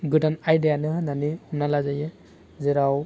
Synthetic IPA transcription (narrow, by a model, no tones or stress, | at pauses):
ɡɯdanajdijanɯɦananiunalazajɛ | zɛɾaw